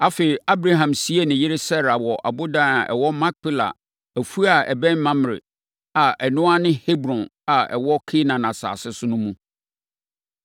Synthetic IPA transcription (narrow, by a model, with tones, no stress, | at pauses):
a˦fe˨i˨a˦bɾa˦ɦã˨msi˦e˦nɪ̃˨jɪ˦ɾɪ˦sɛ˦ɾa˨wɔ˨ʔa̰˨bʊ˦dã˦na˨ʔɛ̰˨wɔ˦mã˦k̚pɪ˦la̰˨ | æ˨fu˦a˨ɛ˨bɛ̃˦n˦mã˦m˨ɾɪ̰˨ | a˨ʔɛ˨nʊ̃˦a˦nɪ̃˦he˦bɾɔ̃˨na˨ɛ̰˨wɔ˦kʰɪ˦nã˨nã˨sa̰ː˨sɪ˦sʊ˦nʊ̃˦mũ˦